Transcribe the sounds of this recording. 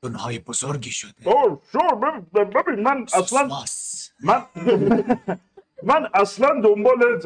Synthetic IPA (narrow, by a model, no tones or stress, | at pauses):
onhɒːjebozoɾɡiʃod̥̪oʃoɾbebibebimænæslæn | mæn | mænæslænd̪ombɒːle